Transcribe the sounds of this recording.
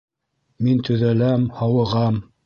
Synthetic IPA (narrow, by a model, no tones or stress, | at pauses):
mint̪ɵ̆ðælæmhɑwɤ̆ʁɑm